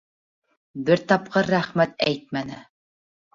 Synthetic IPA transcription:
bɘɾt̪ɑp̚qɤɾːæχmæt̪æ̰jt̪̚mænɘ

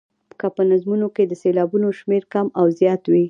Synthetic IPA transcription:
kapənazmunoked̪əselɑbunoʃmeɾkamawzjɑt̪wi

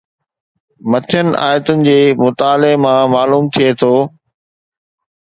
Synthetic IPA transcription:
mɐt̪ʰjənɪ̆ʔa̰ːjət̪ʊnɪ̆d͡ʑeːmʊt̪aːlemãmaːluːmt̪ʰijet̪ʰoː

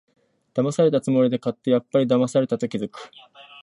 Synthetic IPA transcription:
d̪̥amasaɾe̞t̪at͡sɨmo̞ɾʲid̪e̞kat̪ːe̞japːaɾʲid̪amasaɾe̞t̪at̪o̞kʲizɨkɯ̟̥

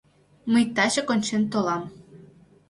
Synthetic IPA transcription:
məjt̪ɑt͡ɕɤ̆konʲt͡ɕent̪olˠɑm

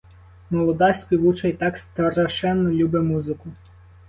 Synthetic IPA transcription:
mɔlˠɔd̪ɑsʲpʲiʋut͡ʃɐjt̪ɑkst̪ɐrɐʃɛnːɔlʲubɪmuzɪkʊ

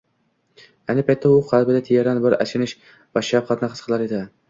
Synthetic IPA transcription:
ajnɪpʰajt̪ʰːaʊqʰɑlˠbɪd̪at̪ʰejaɾanbɪɾa̰t͡ʃʰɪnɪʃ | baʃap̚qʰɑt̪naqʰɨsqʰɨlˠaɾed̪ɪ

